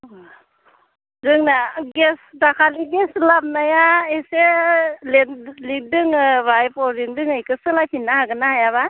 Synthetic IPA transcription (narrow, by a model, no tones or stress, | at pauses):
dɯŋnaɡesdakʰaliɡɛslap̚najaeselelidɯŋbajpɔɾiŋdɯŋɯjkɯsɯlajpʰinːahaɡɯnahajaβa